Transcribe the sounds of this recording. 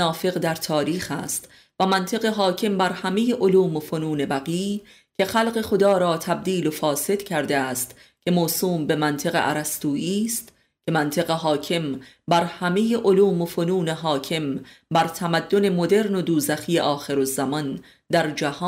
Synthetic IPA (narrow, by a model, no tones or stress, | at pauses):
ɒːfe̞ɣd̪æɾt̪ʰɒːɾiːxæ̰ːst̪ | væmænt̪ʰe̞ɣe̞ɦɒːcʰe̞mbæɾhæme̞jeʔoluːmofo̞nuːne̞bæɣiː | cʲʰe̞xælɢe̞xo̞d̪ɒːɾɒːt̪ʰæb̚d̪iːlo̞fɒːse̞t̪cʰæɾd̪eæːst̪ | cʰe̞moːsuːmbe̞mænt̪ʰe̞ɣḛʔæ̰ɾæst̪uːiːst̪ | cʰʲe̞mænt̪ʰe̞ɣeɦɒːcʰe̞mbæɾhæme̞jeʔoluːmofo̞nuːne̞ɦɒːcʰe̞mbæɾt̪ʰæmæd̪ːo̞ne̞mod̪e̞ɾno̞d̪uːzæxijeʔɒːxeɾozæmɒn | d̪æɾd͡ʒæhː